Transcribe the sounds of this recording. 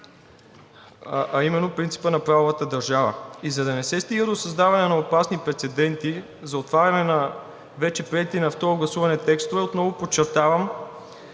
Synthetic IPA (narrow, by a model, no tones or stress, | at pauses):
ʔɐimɛnːopɾint̪si̥pənɐpɾavovət̪əd̪ɐɾʒavə̰izɐd̪ɐnɛsɛst̪iɡəd̪osɐzd̪avɐnɛnɐopasnipɾɛt̪sɛd̪ɛnt̪i | zɐot̪vaɾʲɐnɛnɐ | vɛt͡ʃɛpɾiɛt̪inɐft̪ɔɾʊɡlˠɐsuvɐnɛt̪ɛkst̪ovɛot̪nɔvopot͡ʃːɛɾt̪avəm